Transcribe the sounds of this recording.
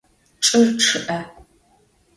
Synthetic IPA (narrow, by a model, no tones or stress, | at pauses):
ʈ͡ʂʼɨrʈ͡ʂʰɨʔɐ